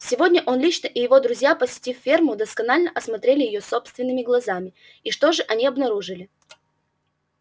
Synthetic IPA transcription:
sʲɪvo̞dʲnʲəʔo̞nlʲit͡ɕnəʔɪjɪvo̞d̪ɾʊzʲjapəsʲɪ̥tʲiffʲe̞rmʊd̪əskɐnalʲnəʔɐsmɐt̪ɾʲelʲɪjɪjoso̞pst̪vʲɪnːɨmʲɪɡlˠɐzamʲɪ | iʂt̪o̞ʐɨʔɐnʲiɐbnɐɾuʐɨlʲɪ

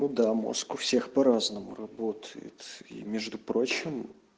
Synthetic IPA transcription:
nʊd̪amo̰skʊfsʲe̞xpɐɾaznəmʊ̰rɐbo̞t̪ʰəjɪ̰t̪ḭmʲeʐd̪ʊpɾo̞t͡ɕɪm

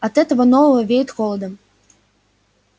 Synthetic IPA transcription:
ɐt̪ɛt̪ɐvɐnɔvɐvɐvʲejt̪ʲxɔlˠɐd̪ɐm

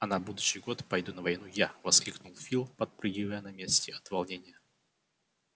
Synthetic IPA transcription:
ɐnabud̪ʊɕːɪjɡo̞t̪pɐjd̪unəvɐjnujavɐsklʲiknʊlˠfʲilˠpɐt̪̚pɾʲɨɡʲivəjənɐmʲesʲtʲɪɐt̪vɐlˠnʲenʲɪjə

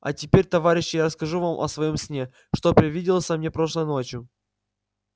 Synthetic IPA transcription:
ɐ̰tʲɪpʲeɾʲt̪ɐvaɾʲɪɕːɪjaɾəskɐʐuvamʔɐ̰svɐjo̞msʲnʲe | ʂt̪opɾʲɪvʲidʲɪlˠəsʲɐmnʲepɾo̞ʂlˠəjno̞t͡ɕjʊ

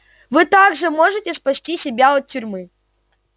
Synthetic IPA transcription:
vɨt̪aɡʐɨmoʐɨtʲɪspɐsʲtʲisʲɪbʲaɔt̪̚tʲːʊɾʲmɨ

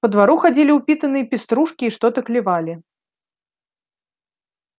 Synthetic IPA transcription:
pɐd̪vaɾuxad͡zʲilʲiwpʲit̪ɐnɨjɐpʲist̪ɾuʂkʲiːʂt̪ɔt̪ɐklʲivalʲi

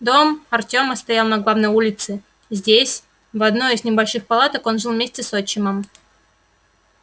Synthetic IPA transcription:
d̪o̞mɐrtʲo̞mɐst̪ɐjalˠnɐɡlˠavnəjulʲɪt̪sɨ | zʲdʲesʲ | vɐd̪noɪznʲɪbɐlʲʂɨxpɐlˠat̪əko̞nʐɨlˠvmʲesʲtʲɪsot͡ɕːɪməm

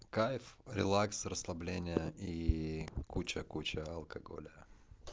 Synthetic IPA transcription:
kajfɾʲɪ̰lˠaksrəslˠɐblʲenʲɪjəi | kut͡ɕəkut͡ɕəɐlˠkɐɡo̰lʲɪjə

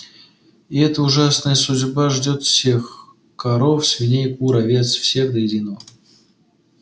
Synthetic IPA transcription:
iɛt̪əuʐasnəjəsʊdʲbaʐdʲot̪fsʲe̞x | kaɾofsʲvʲɪnʲejkuɾavʲe̞t̪sfsʲe̞xd̪əjɪdʲino

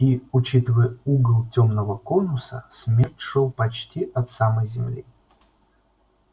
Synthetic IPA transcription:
iʊt͡ɕit̪əvəjəuɡəlˠtʲomnəvəkonʊsə̰smʲertʲʂowˠpɐt͡ɕtʲiʔɐt̪saməjzʲɪmlʲḭ

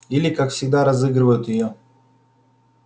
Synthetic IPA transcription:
ilʲɪkakfsʲɪɡ̚d̪aɾɐzɨɡɾɨvəjʊt̪jɪjo

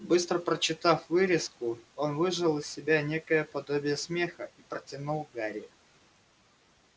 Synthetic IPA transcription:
bɨst̪ɾəpɾət͡ɕːɪt̪afvɨɾʲɪskʊonvɨʐɨlˠɨsʲːɪbʲanʲe̞kəjəpɐd̪obʲɪjəsmʲe̞xəipɾətʲɪnulˠvɡaɾʲɪʊ

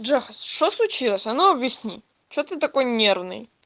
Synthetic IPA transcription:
ʐɛxəsʂt̪oslˠʊt͡ɕilˠəsʲɐnoɐbjɪsʲnʲḭ | t͡ɕot̪ɨt̪ɐkojnʲervnɨ̰j

